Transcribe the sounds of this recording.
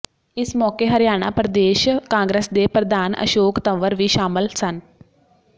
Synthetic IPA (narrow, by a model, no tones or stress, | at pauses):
ɪsmɔːkeːɦəɾjaːɽ̃a̰ːpɾəd̪eːʃkãːŋɡɾeːsd̪eːpɾəd̪aːnə̰ʃoːkt̪əʋəɾʋiːʃaːməlsən